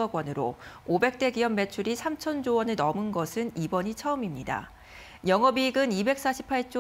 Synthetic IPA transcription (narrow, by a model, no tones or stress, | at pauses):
ʌɡwʌnɯɾoobe̞k̚t͈e̞ɡijʌmme̞t͡ɕʰuɾisʰamt͡ɕʰʌnd͡ʑowʌnɯɭnʌmɯnɡʌsʰɯnibʌɲit͡ɕʰʌɯmimɲida̰ | jʌŋʌbiɡɯnibe̞k̚s͈aɕʰi̥pʰaɭt͡ɕ͈o